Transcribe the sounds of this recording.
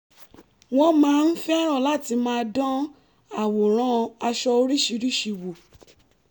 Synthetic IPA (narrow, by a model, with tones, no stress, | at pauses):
w̃ɔ̃˧˦mãː˨˦˧n̩˦fɛ˦a˦ɾ̃ɔ̃˦˨la˦˨ti˧mãː˦dɔ̃˦ | a˨wo˨ɾ̃ã˨˦˧a˧ʃɔ˧o˧ɾi˦˨ʃi˧˦ɾi˦ʃi˧˨wo˨